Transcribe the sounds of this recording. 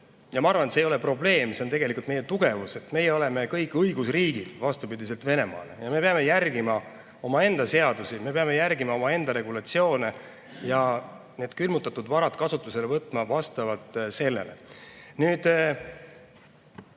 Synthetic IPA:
jɑmɑɑrvɑnet̪seːjo̞le̞pro̞ble̞ːmse̞ont̪e̞ɡ̥e̞likult̪mejet̪uɡ̥e̞vuse̞t̪me̞jeo̞le̞me̞kɤjkːˑɤiɡ̥usriːɡ̥id̪̥vɑst̪upid̪is̬e̞lt̪ve̞ne̞mɑ̰ːlḛjɑme̞peɑme̞jærɡ̥imɑ | o̞mɑe̞nd̪ɑse̞ɑd̪usime̞pe̞ɑme̞jærɡimɑo̞mɑe̞nd̪ɑɾe̞ɡulɑt̪sio̞ːne | jɑ | ne̞ːd̪̥kylmut̪ːˑɑt̪ːˑud̪̥vɑɾɑt̪kɑsut̪ːˑuse̞le̞vɤt̪ːˑmɑvɑst̪ɑvɑlt̪ːˑse̞lːe̞̰le̞̰nyːd̪̥

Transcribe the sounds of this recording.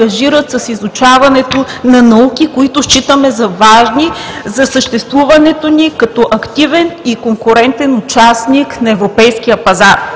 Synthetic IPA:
ɐʒiɾət̪sɐsizʊt͡ʃavɐnɛt̪onɐnɐukʲikoit̪ʊʃt͡ʃit̪əmɛzɐvaʒnizɐsəʃt̪ɛst̪vuvɐnɛt̪onikɐt̪ɔʔɐkt̪ivɛnikoŋkʊɾɛnt̪ɛnʊt͡ʃasniknɐɛvɾopɛjsk̟ijəpɐzaɾ

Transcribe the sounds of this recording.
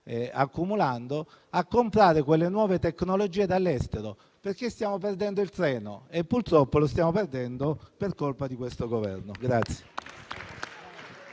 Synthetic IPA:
a̰kːumuland̪o | akːompɾaːɾekwelːenwɔːvet̪eknolod͡ʒiːed̪alːɛst̪eɾo | perk̟est̪jaːmop̬erd̪ɛnd̪oilt̪ɾɛːnoepːuɾt̪ɾɔpːolost̪jaːmoperd̪ɛnd̪operkolpad̪ikwest̪oɡovɛ̰rnoɡɾat̪sːje̥

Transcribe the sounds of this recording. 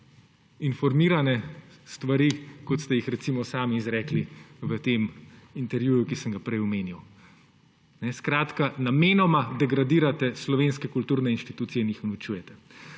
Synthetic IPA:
infɔɾmiːɾanɛst̪ʋaɾiːkot̪st̪ɛjixɾɛt̪siːmɔsaːmiːzɾɛːkliʋət̪eːmint̪ɛɾʋjuːjukisəŋɡapɾɛjɔmeːnjiw | nɛskɾaːt̪kanameːnɔmad̪ɛɡɾad̪iːɾat̪ɛslɔʋeːnskɛkult̪uːɾnɛinʃt̪i̥t̪uːt̪sijɛinjixnaut͡ʃuːjɛt̪ɛ

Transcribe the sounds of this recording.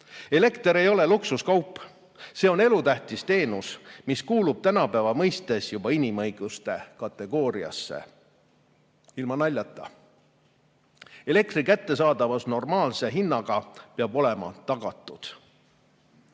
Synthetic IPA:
e̞le̞kt̪eɾe̞jo̞le̞luksuskɑwpːˑ | se̞ːo̞ne̞lut̪æht̪ist̪e̞ːnusmiskuːlub̥̚t̪ænɑpæːvɑmɤjst̪e̞sjub̥ɑinʲimɤ̞jɡ̥ust̪e̞kɑt̪ːˑe̞ɡ̥o̞ːɾiɑ̰sːḛ | ilmɑnɑlʲːɑt̪ːˑɑ | e̞le̞k̚t̪rikæt̪ːe̞sɑːd̪̥ɑvɑsno̞rmɑːlse̞ɦinːɑɡ̥ɑpeɑbo̞le̞mɑ̰t̪ɑɡ̥ɑt̪ːˑud̪̥

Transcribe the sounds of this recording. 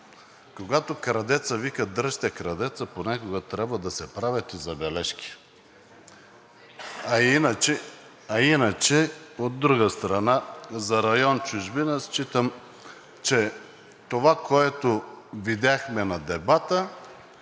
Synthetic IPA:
koɡat̪okɾɐd̪ɛt̪səvikəd̪əʃt̪ɛkɾɐd̪ɛt̪səponʲakoɡət̪ɾʲabvəd̪ɐsɛpɾavʲət̪izɐbɛlɛʃkʲi̥ | ɐinət͡ʃɛ | ɐinət͡ʃɛod̪ːɾuɡəst̪ɾɐnazɐɾɐjɔnt͡ʃuʒbinəst͡ʃit̪əm | t͡ʃɛ | t̪ovakoɛt̪ovid̪ʲaxmɛnɐd̪ɛbat̪ə

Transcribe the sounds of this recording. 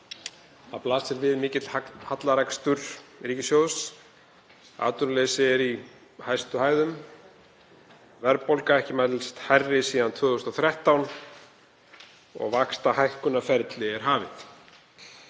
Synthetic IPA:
θaplaːsɛɾvɪðmɪːcɪt̪lhat̪laɾakst̪ʏɾ̥riːcɪsjoːðs | a̰ːt̪ʏɾlɛːsɪɛɾi | hajst̪ʏhaːjðʏm | vɛɾpowlkaɛhcɪmat̪lst̪hajrːɪsiːðant̪ʰvœːðʏst̪ɔwθɾɛht̪awn | ɔ̰ɣvakst̪ahajhkʏnːafɛɾt̪lɪɛɾ̥ɦaːvɪ̰θ

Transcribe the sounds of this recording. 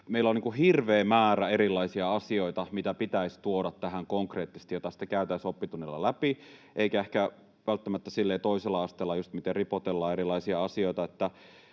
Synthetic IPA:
meilːolniːŋkuhirʋeːmæːɾæeɾilːˑɑisiɑɑsioit̪ɑmit̪æpit̪æist̪uoɾɑt̪tæɦæŋkoŋkreːt̪ːist̪ijot̪ɑsi̥t̪ːekæyt̪æisopːit̪unːelːɑ̰læpiʔeikæehkæ | ʋælt̪ːæmæt̪ːæsilːeːt̪oiselːɑɑst̪eːlːɑjust̪mit̪eripot̪elːɑːeɾilˑɑisiɑɑsioit̪ɑet̪ːæ

